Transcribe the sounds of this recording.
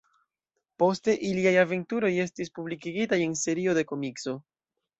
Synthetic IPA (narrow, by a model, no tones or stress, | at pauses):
po̞ste̞ʔiliajave̞ntuɾo̞je̞stispublikiɡitaje̞nse̞ɾio̞de̞ko̞mikso̞